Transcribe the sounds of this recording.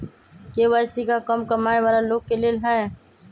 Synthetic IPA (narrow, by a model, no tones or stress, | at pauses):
keʋaːsikakəmkəmaːeʋaɾaloːɡ̚kelelɦa